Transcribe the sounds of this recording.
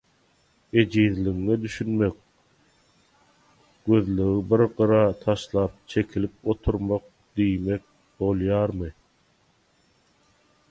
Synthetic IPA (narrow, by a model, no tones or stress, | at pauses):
e̞d͡ʒiːðliŋːed̪yʃynme̞k̚ | ɡ̥ø̞ðlyɣibiɾɢɯɾɑːt̪ʰɑʃlˠɑːp̚t͡ʃʰe̞kʰilip̚o̞t̪ʰuɾmoq̚ | d̪̥ijme̞k̚ | bo̞lˠjɑːɾmɯ